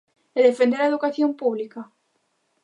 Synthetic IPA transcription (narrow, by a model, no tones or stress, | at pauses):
eðefend̪eɾaeðukaθjompuβlika